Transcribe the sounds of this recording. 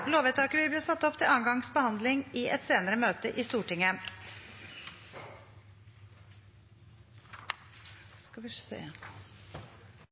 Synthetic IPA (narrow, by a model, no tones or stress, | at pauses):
loːʋɛt̪ʰɑːkəʋɪbliːsɑt̪ːɔpt̪ʰɪlɑːnɡɑŋsbəhɑnd̪lɪŋɪʔɛt̪seːnəɾəmøːt̪əʔɪst̪uːʈɪŋːə | skɑʋɪsḛː